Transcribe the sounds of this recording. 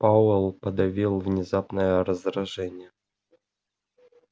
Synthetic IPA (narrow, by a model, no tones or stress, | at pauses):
paelˠpɐd̪avʲilˠvnʲɪzapnəjərəzd̪ɾaʐɛnʲɪjə